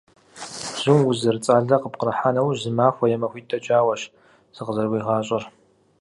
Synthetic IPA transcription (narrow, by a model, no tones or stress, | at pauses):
z̥ɪmwʊzɨrt͡sʼaːɮɐqəp̚qəɾɐħaːnɐwzɨmaːxʷɐjɛmɐxʷiːtʰʼɐd͡ʒʼaːwɐɕ | z̥ɨqəzɐrwiːʁɑːɕʼɐr